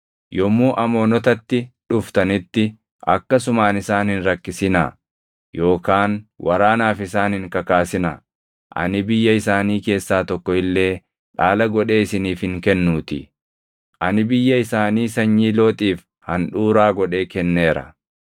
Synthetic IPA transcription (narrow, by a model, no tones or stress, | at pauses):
jɔmːuːʔɐmoːnɔt̪ɐt̪ːɪᶑʊft̪ɐnɪt̪ːɪ | ʔɐ̰kːɐsʊmaːnɪsaːnhɪnɾɐkːɪsɪnɐ̰ | jo̞ːkaːnwʔɐɾaːnaːfɪsaːnhɪŋkɐkaːsɪnɐ̰ | ʔɐ̰nɪbɪjːɐɪsaːniːke̞ːsːaːt̪ɔkːɔɪlːe̞ː | ᶑaːlɐɡɔᶑe̞ːɪsɪniːfhɪŋkɛnːuːt̪ɪ̰ | ʔɐnɪbɪjːɐɪsaːniːsɐɲːiːlo̞ːt̪ʼiːf | hɐnᶑuːɾaːɡɔᶑe̞ːkɛnːe̞ːɾɐ̰